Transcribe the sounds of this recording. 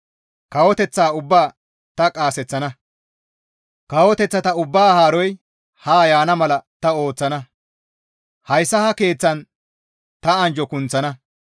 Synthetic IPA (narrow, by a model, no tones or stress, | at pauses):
kɐwɔt̪ɛt͡sːaːʊbːaː | t̪ɐkʼaːsɛt͡sːɐnɐ | kɐwɔt̪ɛt͡sːɐt̪ɐʊbːaːhaːɾɔj | haːjaːnɐmɐlɐt̪ɐo̞ːt͡sːɐnɐ | hɐjsːɐhɐke̞ːt͡sːɐn | t̪ɐɐnd͡ʒɔkʊnt͡sːɐnɐ